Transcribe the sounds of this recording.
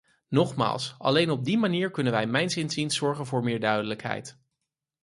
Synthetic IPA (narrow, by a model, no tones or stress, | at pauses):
nɔχma̰ːlˠsɑ̰lejnɔb̚dimaniːɹkɵnənʋɛjmɛjnsɪnzinsɔɹχənvʊːɹmɪːɹdœɥdələkɦɛ̰jt